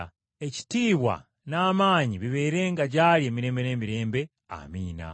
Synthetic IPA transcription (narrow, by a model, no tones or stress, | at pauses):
e̞ci̥tiːβwa̰ | naːmaːɲiβiβe̞ːɾe̞ːŋɡaɟalie̞ːmiɾe̞ːmbe̞ne̞ːmiɾe̞ːmbe̞ | a̰miːna̰